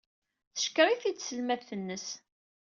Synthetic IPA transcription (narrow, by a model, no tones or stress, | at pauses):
θə̥ʃkːɾˤiθit͡sːsəlmæðθənːəs